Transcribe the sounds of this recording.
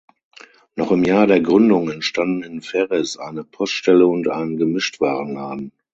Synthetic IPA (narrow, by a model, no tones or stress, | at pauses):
nɔχɪmjaːɐdeːɐɡʁʏndʊŋɛntʃtandn̩ɪnfɛʁɛsʔa̰ɪnəpʰɔstʃtɛləʊntʔaɪnənɡəmɪʃtv̥aːʁənlaːdn̩